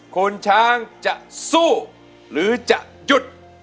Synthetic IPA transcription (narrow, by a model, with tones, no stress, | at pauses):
kʰo˧nt͡ɕʰaː˦˥ŋt͡ɕa˨˩ʔsuː˥˩ | ɾɯː˨˩˦t͡ɕa˨˩ʔ | ju˨˩t̪̚